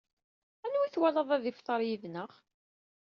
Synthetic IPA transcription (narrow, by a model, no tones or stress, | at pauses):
ænwiθwælɑðˤæðifθˤɑɾˤjiðnəʁ